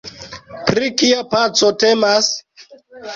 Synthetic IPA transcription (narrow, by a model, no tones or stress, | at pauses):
pɾikiapat͡sotemas